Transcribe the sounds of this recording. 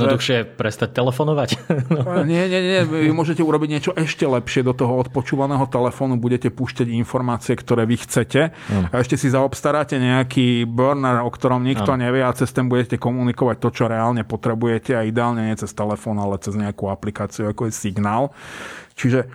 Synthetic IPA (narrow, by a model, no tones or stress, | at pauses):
ɛd̪nɔd̪uxʃɪɛpɾɛst̪ac̚t̪ɛlɛfɔnɔʋacnɔɲɪɛɲɛɲɛɲɛʋiʋimʊɔʒɛcɛuɾɔbiɟɲɪɛt͡ʃɔʔɛʃcɛlɛpʃɪɛd̪ɔt̪ɔɦɔɔt̪pɔt͡ʃuːʋanɛːɦɔt̪ɛlɛfɔːnubuɟɛcɛpuːʃcaɟinfɔɾmaːt͡siɛkt̪ɔɾɛːʋixt͡sɛcɛaɛʃcɛsizaɔpst̪aɾaːcɛɲɛakiːbøɾnɛɾɔkt̪ɔɾɔmɲikt̪ɔɲɛʋɪɛat͡sɛst̪ɛmbuɟɛcɛkɔmunikɔʋac̚t̪ɔt͡ʃɔɾɛaːlɲɛpɔt̪ɾɛbujɛcɛaid̪ɛaːlɲɛɲɛt͡sɛst̪ɛlɛfɔːnalɛt͡sɛzɲɛakuaplikaːt͡siuakɔjɛsiɡnaːlt͡ʃiʒɛ